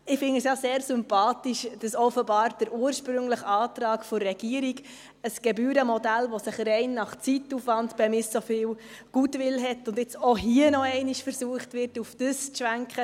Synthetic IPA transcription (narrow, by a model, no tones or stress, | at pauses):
ɪfɪnəsjɑseːɾsʏmpɑːtiʃd̥ɑsɔfəbɑːɾd̥əɾʔuːəɾʃpɾʏŋləχɑːtɾɑːkfɔɾːɛɡ̥iəɾiɡ | əsɡ̥ɛbyːɾəmɔdælʋɔsɪχrɛɪnːɑχt͡sitːufʋɑntb̥ɛmɪssofɪːw | ɡ̥uːtʋɪlɦɛtʊndɪt͡soɦiənɔɛɪniʃfəɾsuəχtvʋɪrtufd̥əst͡sʃʋæŋkχə